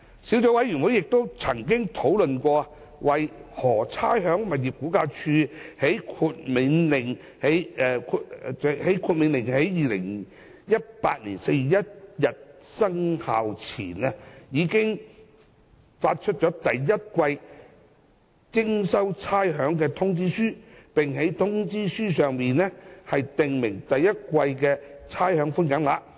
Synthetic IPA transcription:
si˨˥wt͡sɔː˨˥wɐ˨˥jɥyː˨˩nwu˨˥jɪ˨k̚t̪o˥wt͡sʰɐ˨˩ŋkɪ˥ŋt̪ʰo˨˥wlɵ˨nkʷɔː˧ɐ˧ | wɐ˨jhɔː˨˩t͡sʰaː˥jɦœː˨˥ŋmɐ˨t̚jiː˨˩p̚kuː˨˥kaː˧t͡ʃʰyː˧he˨˥jkʰuː˧t̚mɪ˨˧˥nlɪ˨˩ŋ | he˨˥jɛ˧kʰu˧˨˧he˨˥jkʰuː˧t̚mɪ˨˧˥nlɪ˨˩ŋhe˨˥jːiː˨lɪ̰˨˩ŋ | jɐ˥t̚pa̰ː˧t̚liː˨˩nse˧jjɐ˥t̚jɐ˨t̚sɐ˥ŋha̰ː˨wt͡sʰiː˨˩nɐ˧jiː˨˧kɪ˥ŋ | faː˧t̚t͡ʃʰɵ˥t̚t͡ʃɔː˨˥t̪ɐ˨jːɐ˥t̚kʷɐ˧j | t͡sɪ˥ŋsɐ˥wt͡sʰaː˥jɦœː˨˥ŋkɛː˧t̪ʰʊ˥ŋt͡siː˥syː˥pɪ˨ŋɦe˨˥jt̪ʰʊ˥ŋt͡siː˥syː˥sœː˨ŋmiː˨nɛ˥hɐ˨jt̪ɪ˨ŋmɪ˨˩ŋt̪ɐ˨jːɐ˥t̚kʷɐ˧jkɛː˧t͡sʰaː˥jhœː˨˥ŋfʊ˥njɐ˨˥nlaː˧

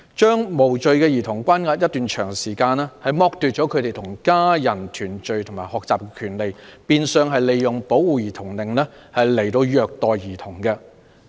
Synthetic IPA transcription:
t͡ʃœː˥ŋmo˨˩wt͡ʃɵ˨ɥkɛː˧jiː˨˩t̪ʰʊ˨˩ŋkʷaː˥nŋaː˧t̚jɐ˥t̪ːyː˨nt͡ʃʰœː˨˩ŋsiː˨˩kaː˧nɛː˥hɐ˨jmɔː˧k̚t̪yː˨t̚t͡ʃɔ˨˥kʰt̪e˨jt̪ʰʊ˨˩ŋkaː˥jɐ˨˩nt̪ʰyː˨˩nt͡ʃɵ˨˧ɥt̪ʰʊ˨˩ŋmaː˨˩jhɔː˨k̚t͡saː˨p̚kɛ˧kʰyː˨˩nle˨jpiː˧nsœː˨˧ŋɦɐ˨jle˨jːʊ˨˩ŋpo˨˥wuː˨˧jiː˨˩t̪ʰʊ˨˩ŋlɪ˨˩ŋlɛː˥hɐ˨jle˨˩jt̪o˧wjœː˨˧k̚t̪ɔː˨jːiː˨˩t̪ʰʊ˨˩ŋkɛ˧

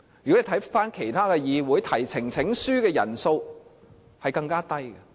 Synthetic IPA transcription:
jy˨ke˨˩t̪ʰfaː˥nkʰe˨˩jt̪ʰaː˥kɛː˧jiː˨wuː˨˥jt̪ʰɐ˨˩jt͡sʰɪ˨˩ŋt͡sʰɪ˨˥ŋsyː˥kɛː˧jɐ̰˨˩nso˧w | hɐ˨jkɐ˧ŋkaː˥t̪ɐ˥jɡɐ˧

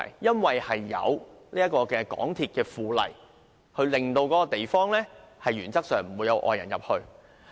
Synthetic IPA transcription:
jjɐ˥nwɐ˨˩jhɐ˨jːɐ̰˨˧wliː˥jɐ˥kɔː˧kɛː˧kɔ̰ː˨˥ŋt̪ʰiː˧t̚kɛː˧fuː˨˧lɐ̰˨˩j | hɵ˧ɥlɪ˨ŋt̪o˧wkɔː˨˥kɔ˧t̪e˨jfɔː˥ŋlɛː˥hɐ˨jɥyː˨˩nt͡sɐ˥k̚sœː˨˩ŋm̩˨˩wuː˨˧jɐ˨˧wʔɔ̰ː˨˧jɐ˨˩njɐ˨p̚hɵ˧ɥ

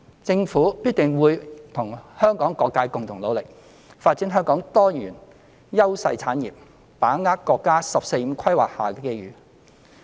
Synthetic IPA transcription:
t͡sɪ˧ŋfuː˨˥piː˥t̚t̪ɪ˨ŋwuː˨˧jt̪ʰʊ˨˩ŋhœː˥ŋkɔː˨˥ŋkɔː˧kːaː˧jkʊ˨ŋt̪ʰʊ˨˩ŋlo˨˧wlɪ˨k̚ | faː˧t̚t͡siː˨˥nɦœː˥ŋkɔː˨˥ŋt̪ɔː˥jyː˨˩n | jɐ˥wsɐ˧jt͡sʰaː˨˥njḭː˨p̚ | paː˨˥ŋaː˥tkɔː˧kːaː˥sɐ˨p̚se˧jm̩˨˧˥kʰɐ˥jwa̰ː˨k̚haː˨˩kɛ˧ke˥jjyː˨˥

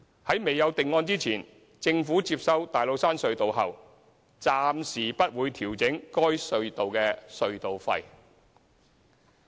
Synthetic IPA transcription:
hɐ˨˥jme˨jɐ˨˧wt̪ɪ˨ŋːɔː˧nt͡siː˥t͡sʰiː˨˩n | t͡sɪ˧ŋfuː˨˥t͡siː˧p̚sɐ˨˥wt̪aː˨jlo˨˧wsaː˥nsɵ˧ɥt̪o˨wɦɐ̰˨˩w | t͡saː˧msiː˨˩pɐ˥t̚wuː˨˧jt̪ʰiː˨˩wt͡sɪ˨˥ŋkɔː˥jsɵ˧ɥt̪o˨wkɛː˧sɵ˧ɥt̪o˨wfɐ̰˧j

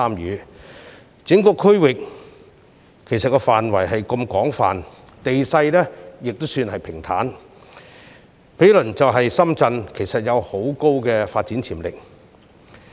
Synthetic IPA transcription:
aː˥mjyː˨˥ | t͡sɪ˨˥ŋkɔː˧kʰɵ˥wɪ˨k̚ | e˨˩jsɐ˨t̚kɔː˧faː˨nwɐ˨˩jɦɐ˨jkɐ˧mkɔː˨˥ŋfa̰ː˨n | t̪e˨jsɐ˧jlɛː˥jɪ˨k̚t̪o˥wsyː˧nhɐ˨jpʰɪ˨˩ŋt̪ʰa̰ː˨˥n | pʰe˨˥jlɵ˨˩nt͡sɐ˨wɦɐ˨jsɐ˥mt͡sɐ˧nkʰe˨˩jsɐ˨t̚jɐ˨˧who˨˥wko˥wkɛː˧faː˧t̚t͡siː˨˥nt͡sʰiː˨˩mlɪ˨k̚

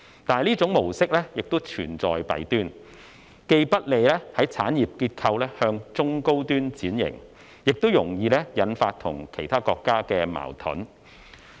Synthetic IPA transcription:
t̪aː˨jliː˥t͡sʊ˨˥ŋmo˨˩wsɪ˥k̚lɛː˥jɪ˨k̚t̪o˥wt͡ʃʰyː˨˩nt͡sɔː˨jpɐ̰˨˥jt̪yː˥n | ke˧jpɐ˥t̚le˨˧jlɛː˥hɐ˨˥jt͡sʰaː˨˥njiː˨p̚kiː˧t̚kʰɐ˧wlɛː˥hœː˧ŋt͡sʊ˥ŋko˥wt̪yː˥nt͡siː˨˥njɪ̰˨˩ŋ | jɪ˨k̚t̪o˥wjʊ˨˩ŋjiː˧lɛː˥jɐ˨˥nfaː˧t̚t̪ʰʊ̰˨˩ŋkʰe˨˩jt̪ʰaː˥kɔː˧kːaː˥kɛː˧ma̰ː˨˩wt̪ʰʊ̰˨˥n

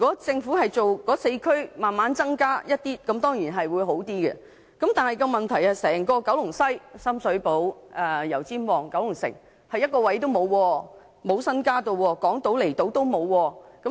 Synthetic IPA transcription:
y˨kɔː˨˥t͡sɪ˧ŋfuː˨˥hɐ˨jt͡so˨wkɔː˨˥se˧jkʰɵ˥ɥmaː˨nmaː˨˥nt͡sɐ˥ŋkaː˥jɐ˥t̚t̪iː˥kɐ˨˧˥mt̪ɔː˥ŋjiː˨˩nɦɐ˨jwu˨˧jɦo˨˥wt̪iː˥ɡɛ̰˧ | kɐ˨˥mt̪aː˨nɦɐ˨˩jkɔ˧mɐ˨˩nt̪ʰɐ˨˩jɐ˨sɛː˨˩ŋkɔː˧kɐ˨˥wlʊ˨˩ŋsɐ˥jsɐ˥msɵ˨˥ɥpo˨˥wʔɛː˨˩jɐ˨˩wt͡siː˥nwɔː˨˩ŋkɐ˨˥wlʊ˨˩ŋsɪ̰˨˩ŋ | hɐ˨jɐ˥t̚kɔː˧wɐ˨˥jt̪̬o˥wmo˨˧wwɔː˧ | mo˨˧wsɐ˥nkaː˥t̪o˧wwɔː˧kɔː˨˥ŋt̪o˨˥wle˨˩jt̪o˨˧˥wt̪o˥wmo˨˧wwɔː˧kɐ˨˥

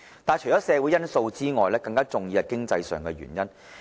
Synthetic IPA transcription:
t̪aː˨nt͡ʃʰɵ˨˩t͡ʃɔː˨˥sɛː˨˧wu˨˥jɐ˥nso˧wt͡siː˥ŋɔː˨jlɛː˥kɐ˧ŋkaː˥t͡sʊ˨ŋjiː˨˧hɐ˨jkɪ˥ŋt͡sɐ˧jsœ̰ː˨ŋkɛ˧ɥy̰˨˩njɐ˥n

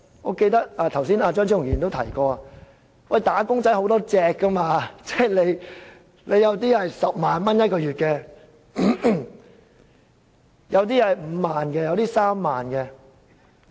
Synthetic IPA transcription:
ŋɔ̰ː˨˧ke˧jt̪ɐ˥k̚aː˧t̪ʰɐ˨˩wsiː˥naː˧t͡ʃœː˥ŋt͡ɕʰi˥ŋ˨˩jiː˨˩nt̪o˥wt̪ʰɐ˨˩jkɔː˧aː˧ | wɐ˥˨˩jt̪aː˨˥kʊ˥ŋt͡sɐ˨˥jɦo˨˧˥wt̪ɔː˥t͡sɛː˧kːɐ˥maː˧t͡sɛː˥˩le˨˧j | le˨˧jɐ˨˧wt̪̬iː˥hɐ˨jsɐ˨p̚maː˨nmɐ˥njɐ˥t̚kɔː˧jyː˨˩t̚kɛ˧ | jɐ˨˧wt̪̬iː˥hɐ˨jm̩ː˨˧maː˨nkɛː˧jɐ˨˧wt̪iː˥saː˥mːaː˨nkɛ˧

